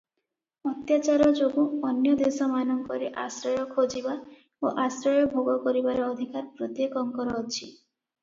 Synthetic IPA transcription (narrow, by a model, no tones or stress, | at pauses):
ɔt̪jat͡ʃaɾɔd͡ʒoɡuɔnjɔd̪esɔmanɔŋkɔɾeʔasɾɔjɔkʰod͡ʒiba | oʔasɾɔjɔbʱoɡɔkɔɾibaɾeɔd̪ʱikaɾpɾot̪jekɔŋkɔɾɔːt͡ʃʰi